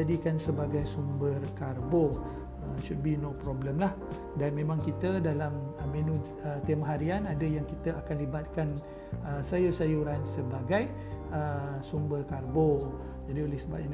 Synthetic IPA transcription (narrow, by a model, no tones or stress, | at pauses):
adikansəbaɡajsumbərkarbo | əʃut̚binɔpɾɔbləmlah | danmẽmãŋkit̪ədalaməmẽnũ | ət̪emaɦaɾianadəjaŋkit̪əʔakanlibat̪̚kan | əsajusajuɾansəbaɡaj | əsumbərkarbo | d͡ʒadiolɛsəba̰ʔa